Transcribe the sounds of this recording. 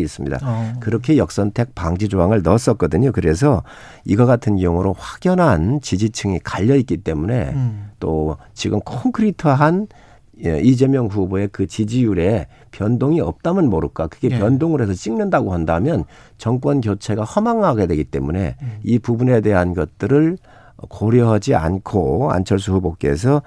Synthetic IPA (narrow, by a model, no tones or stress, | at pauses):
is͈ɯmɲida̰kɯɾʌkʰe̞jʌk̚s͈ʌntʰe̞k̚paŋd͡ʑid͡ʑoɦaŋɯɭnʌs͈ʌk͈ʌdɯɲokɯɾe̞sʰʌ | iɡʌkatʰɯnkjʌŋuɾoɸwaɡ̥jʌnɦant͡ɕid͡ʑit͡ɕʰɯŋikaʎːʌik͈it͈e̞mune̞̰t͈ot͡ɕiɡɯmkʰoŋkʰɯɾitʰʌɦan | id͡ʑe̞mjʌŋɸuboe̞kɯt͡ɕid͡ʑijuɾe̞ | pjʌndoŋiʌp̚t͈amɯnmoɾɯk͈akɯɡe̞pjʌndoŋɯɾe̞sʰʌt͡ɕ͈iŋnɯndaɡoɦandamjʌn | t͡ɕʌŋk̬͈wʌnɡjot͡ɕʰe̞ɡahʌmaŋɦaɡe̞dwe̞ɡit͈e̞̰mune̞̰ipubune̞de̞ɦanɡʌt̚t͈ɯɾɯɭ | koɾjiɦad͡ʑia̰nkʰoa̰nt͡ɕʰʌɭs̬ʰuhubok͈e̞̰sʰʌ